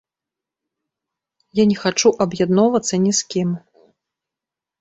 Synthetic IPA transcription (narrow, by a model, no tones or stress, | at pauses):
janʲɛxat͡ʂuʔɐbjad̪nɔvɐt̪sːɐnʲɛskʲim